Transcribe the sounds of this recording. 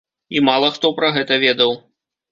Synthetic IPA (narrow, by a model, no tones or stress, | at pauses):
imalˠɐxt̪ɔpɾɐɣɛt̪ɐvʲɛd̪ɐw